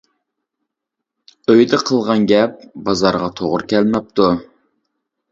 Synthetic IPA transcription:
øjd̪ɪqʰəlˠʁɑnɡʲɛp̚bɑzɑɾʁɑt̪ʰoʁʊɾkʲɛlmɛp̚t̪ʰu

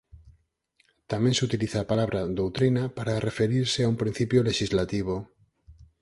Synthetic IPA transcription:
t̪amẽnsut̪iliθapalaβɾaðowt̪ɾinapaɾarefeɾiɾseaumpɾĩn̟θipjoleʃizlat̪iβ̞o

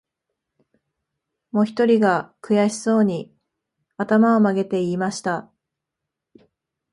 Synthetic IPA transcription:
mo̞çi̥t̪o̞ɾʲiɡakɯ̟jaɕi̥so̞ːɲ̟i | at̪amao̞maɡe̞t̪e̞iːmaɕi̥t̪a

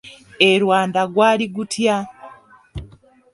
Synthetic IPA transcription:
eɾwaːndaɡwaːliɡutja

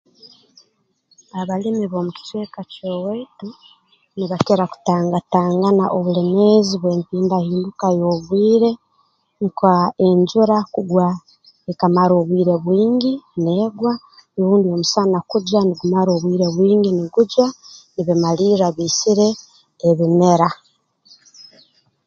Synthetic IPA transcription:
aβalimiβo̞muki̥twe̞ːkacoweːtu | niβakeɾaku̥taːŋɡataːŋɡanaʔoβuleme̞ziβwe̞ːmpiːndahiːndukajo̞βwiːɾe̞ | ŋkaeɲɟuɾakuɡwa | ekamaɾo̞ːβwiːɾe̞βwiːɲɡineːɡwa | eɾuːndio̞musanakuɟaniɡumaɾoːβwiːɾe̞βwiːŋɡiniɡuɟwaniβimaliːɾaβiːsiɾe̞ː | βime̞ɾa

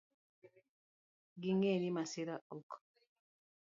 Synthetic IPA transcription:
ɡiŋenimasiɾaɔk

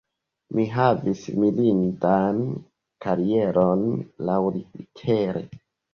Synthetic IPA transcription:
miɦavismilintan | kaɾieɾonlawliitʰeɾḛ

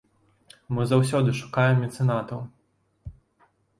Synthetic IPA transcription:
mɨzaws̬ʲɔd̪ɨʂu̥kajɛmʲit̪sɨnat̪ɐw

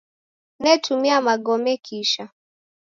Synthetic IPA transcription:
nɛtʰumiamaɠɔmɛkʰiʃa

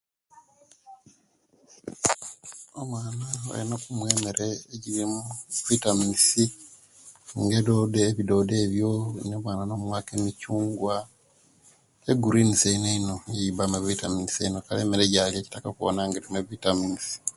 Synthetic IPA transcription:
omwaːnaa̰inokumwe̞ːmeɾeeɟiɾimuvitaminisi | ŋɡedodeːβido̞ːde̞ːβjonoːmwaːnano̞mwaːkemicuːŋɡwa | eɡuɾiniseineinojeβamaβitaminiseinokaleːmeɾeɟaljeːci̥takakuo̰naŋɡeɾimeβitaminisi̥

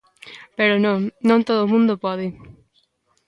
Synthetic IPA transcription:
peɾonõnõnt̪oðomũnd̪opɔðɪ

